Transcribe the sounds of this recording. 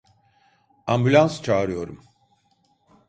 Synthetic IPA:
ambylʲanst͡ʃʰaːɾɯjo̞ɾum

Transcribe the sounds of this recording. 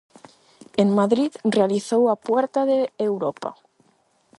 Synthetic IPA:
eŋmaðɾiðrealiθowapwɛɾt̪aðeewɾɔpa̰

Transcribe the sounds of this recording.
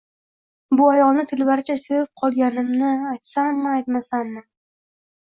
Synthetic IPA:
bʊajɒlˠnɪt̪ʰɪlbaɾɪt͡ʃʰaseɾɪp̚qʰɒlˠɡʲanɪmnɪajt̪sanːɪajt̪masanːɪ

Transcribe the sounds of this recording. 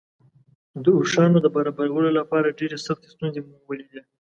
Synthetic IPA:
d̪əuʂɑnod̪əbaɾɑbaɾawəlolapɑɾaɖeɾesaxt̪e̥st̪unzemuwəled̪i

